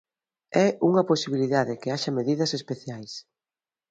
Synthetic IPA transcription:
ɛuŋɐposiβ̞iliðaðɪkɪaʃɐmeðiðɐsespeθjajs

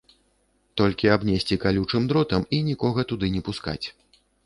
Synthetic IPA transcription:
t̪ɔlʲkʲiabnʲesʲt͡sʲikalʲut͡ʂɨmd̪ɾɔt̪ɐminʲikɔɣɐt̪ud̪ɨnʲɛpuska̰t͡sʲ

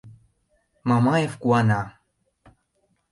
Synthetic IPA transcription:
mɑmɑjefkuɑnɑ

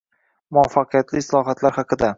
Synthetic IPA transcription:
mʊafːɑqɨjat̪lɪslˠɒɦat̪laɾhɑqɨd̪a

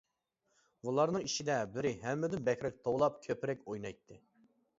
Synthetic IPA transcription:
bulˠɑɾnɨŋiʃid̪ɛbɪɾɪɦɛmːɪd̪ɪnbɛkʲɾɛk̚ʲt̪ʰowlˠɑp̚kʲʰøpɪɾɛkʲojnɑjt̪ʰːɨ

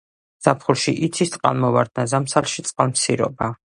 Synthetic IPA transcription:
z̥apʰχulˠʃiʔit̪sʰist̪sʼqʼa̰nmɔvaɾd̪nazamsalˠʃit̪sʼqʼalmsʰiɾɔ̰ba

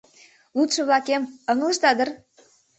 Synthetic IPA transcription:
lut̪ʃɤ̆βlɑkemɤŋəlˠə̆ʃt̪ɑd̪ə̆r

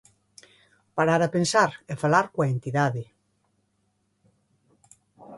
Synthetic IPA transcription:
paɾaɾapensaɾefalaɾkwaent̪iðaðe

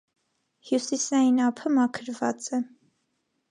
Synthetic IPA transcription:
hjusisɑjinɑpʰəmɑkʰəɾvɑ̰t͡sɛ

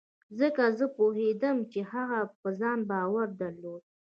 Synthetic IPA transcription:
zəkazəpoɦed̪əmt͡ʃehaɣapəzɑnbɑwaɾd̪aɾlod̪̚

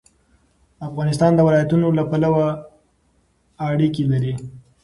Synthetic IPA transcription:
afɣɑnɪst̪ɑnd̪əwɪlɑjat̪unolapalawa | ɽikilaɾi

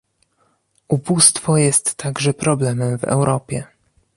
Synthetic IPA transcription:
ubust̪fɔjɛst̪ːaɡʐɛpɾɔblɛmɛmvɛ̰wɾʔɔpʲjɛ̰

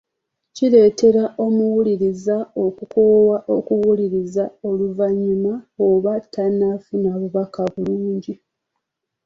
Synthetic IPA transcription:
cile̞ːte̞ɾaʔo̞muwuliɾizao̞kukowaʔo̞kuwuliɾizao̞luvaɲːumaoβatːanːafinaβuβakaβuluːɲɟi

